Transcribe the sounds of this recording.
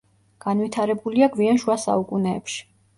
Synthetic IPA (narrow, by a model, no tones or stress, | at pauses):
ɡ̥anvit̪ʰaɾɛbuliaɡvianʃuwasa̰ukʼunɛːpʃi̥